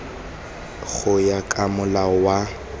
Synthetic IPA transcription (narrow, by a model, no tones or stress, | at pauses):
ɣʊjakʼamʊlawa